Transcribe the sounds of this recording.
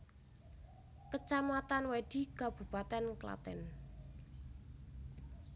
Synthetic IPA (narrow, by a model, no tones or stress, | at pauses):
kət͡ʃamat̪anweɖ̪̥i̤ɡ̥ab̥ṳpat̪ɛnkla̰t̪ɛ̰n